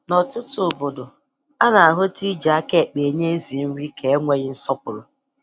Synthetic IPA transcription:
nɔ˨tʊ˦tʊ˦o˨bo˨do˨ | a˦na˨a˨ɦʊ˦ti˦d͡ʒa˦ke˦˨k͡pe˨ɲe˦n̩˦zi˨n̩˦ɾi˦ke˨e˦ŋʷe˦ɣɪ˦n̩˦sɔ˦pʊ˨ɾʊ˨

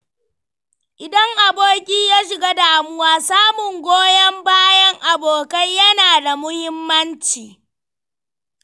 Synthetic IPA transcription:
ʔɪ˨dɐ˦ŋʔa˨boː˦kʲiː˦jaː˦ʃ̬ɪ˨ɡaː˦daː˨mʊ˦waː˦saː˦mʊ˨ŋɡʷoː˦jɐ˦mbaː˦jɐ˦ŋʔa˨boː˨kɐ˦jjɐ˦naː˨da˨mʊ˦hɪ˦mːɐ˦nt͡ʃiː˨

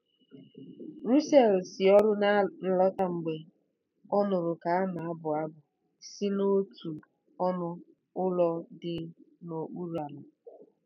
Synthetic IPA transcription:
ɾu˦se˨lsɪ˨ɔ˦ɾʊ˦na˦n̩˦lɔ˦ta˦ŋ͡m̩˨ɡ͡be˨ | ɔ˦nʊ˨ɾʊ˨ka˨a˦na˨a˦bʊ˨a˦bʊ˨ | si˦no˦tu˨ | ɔ˦nʊ˦ | ʊ˦lɔ˦dɪ˦no˨k͡pu˦ɾu˦a˨na˨

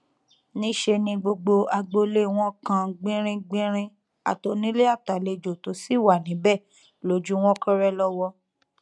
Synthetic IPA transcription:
nĩ˦ʃe˧nĩ˧ɡ͡bo˧ɡ͡bo˧a˧ɡ͡bo˧le˦w̃ɔ̃˦kã˧ɡ͡bĩ˦ɾ̃ĩ˧ɡ͡bĩ˦ɾ̃ĩ˦ | a̰˨to˨˦nĩ˦le˦a˦˨ta˨le˧d͡ʒo˨to˨˦si˦˨wa˨nĩ˨˦bɛ˦˨ | lo˨˦d͡ʒu˦w̃ɔ̃˦kã˦ɾɛ˦lɔ˦wɔ˧

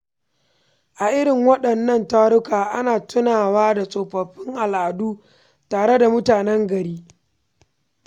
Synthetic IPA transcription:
ʔa˨ʔɪ˦ɽɪ˨ŋwɐ˦ɗɐ˨nːɐ˦˨ntaː˦ɽʊ˦kaː˨ʔa˦naː˨tʊ˦naː˨waː˦da˨sʼoː˨ɸɐ˨ɸːɪ˦ŋʔa˨lʔa˨duː˦ | taː˨ɽe˦da˨mʊ˦taː˨nɛ˦ŋɡɐ˨ɽiː˦

